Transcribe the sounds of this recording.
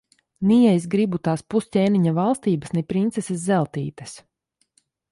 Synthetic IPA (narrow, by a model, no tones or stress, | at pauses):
nʲijɛjs̬ɡɾibut̪aːspustʲeːniɲavalˠst̪iːbasnɛpɾint̪sɛsɛszɛlˠt̪iːt̪ɐs